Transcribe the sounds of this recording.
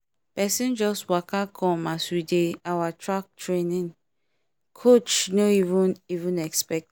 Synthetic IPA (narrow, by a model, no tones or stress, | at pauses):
pɛsĩnd͡ʒɔstwakakʰɔ̃maswideawatʰɹak̚tɹenĩŋ | kʰot͡ʃnoivũnivũnɛkspɛk̚t